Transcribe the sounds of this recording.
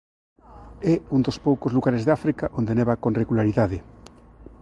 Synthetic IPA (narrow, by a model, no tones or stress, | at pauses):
ɛund̪ospowkozluɣaɾezðafɾikaʔond̪eneβakonreɣulaɾiðaðe